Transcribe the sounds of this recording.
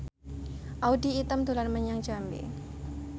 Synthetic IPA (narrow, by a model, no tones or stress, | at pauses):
ʔaudiːt̪əmd̪ularməɲaŋd͡ʒambḛ